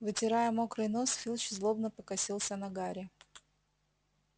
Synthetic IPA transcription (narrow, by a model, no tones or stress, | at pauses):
vɨtʲɪɾajəmo̞kɾɨno̞sfʲilʲˠt͡ɕzlˠobnəpəkɐsʲilˠsʲənɐɡaɾʲɪ